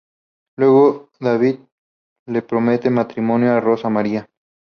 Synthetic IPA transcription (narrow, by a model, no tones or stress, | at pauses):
lwe̞ɣoðaβið̚ | le̞pɾomet̪emat̪ɾimo̞njoarosamaɾia